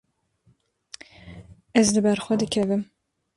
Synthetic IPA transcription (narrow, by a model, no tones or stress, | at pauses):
ɛzd̪ɨbɛɾxʷɛd̪ɨkʰɛvɨm